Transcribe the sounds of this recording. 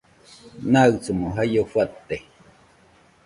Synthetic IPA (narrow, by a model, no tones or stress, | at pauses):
naɨt͡sumoɦajofwat̪ːe